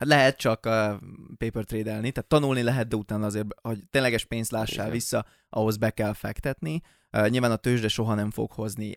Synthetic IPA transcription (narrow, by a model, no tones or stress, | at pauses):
hat̪lɛɦɛt̪̚t͡ʃɒkøːpeːpørt̪reːd̪ɛlnit̪ɛːt̪ːɒnulnilɛɦɛd̪̚d̪ɛut̪aːnːɒɒzeːrbho̞ɟt̪ːeːnlɛɡɛʃpeːnst̪laːʃːa̰ːlvisːɒ | ʔɒɦo̞zbɛkɛlfɛ̰kt̪ɛt̪ni | ɲilvaːnɒt̪øːʒd̪ɛʃo̞ɦɒnɛɱfo̞̰ɡho̞zni